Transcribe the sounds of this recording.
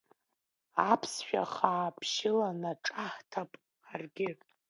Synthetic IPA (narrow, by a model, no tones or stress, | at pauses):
apʰsʃᶣa̰χaːpʰʃɪlanaʈ͡ʂʼaħtʰapʼ | arɡʲɪ